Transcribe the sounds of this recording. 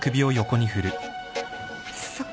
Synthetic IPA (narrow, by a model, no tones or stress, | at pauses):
kɯ̟bʲio̞joko̞ɲ̟ihɯ̟ɾɯ̟ | s